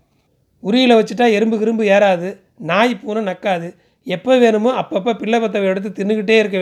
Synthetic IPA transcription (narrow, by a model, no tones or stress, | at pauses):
ʊɾɪjɪlɐʋɐt͡ʃːɯʈ̬ːaːɛɾɯmbɯʋɪɾɯmbɯjeːɾaːðɯ | naːjpːuːnɐnɐkːaːðɯ | ɛpːɐʋeːnɯmoːɐpːɐp̬ːɐpɪɭːɐpɐt̪̬ːɐʋɐjɛɽɯt̪̬ːɯt̪ɪnːɯkɪʈːeːɪɾɯkːɐʋ